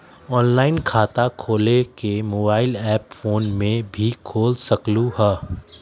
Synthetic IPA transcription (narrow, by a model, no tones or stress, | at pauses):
ɔːnlaːɪnkʰaːt̪akʰoːlekemoːbaːɪlɛːpfoːnmẽbʱikʰoːlsɐkluɦɛː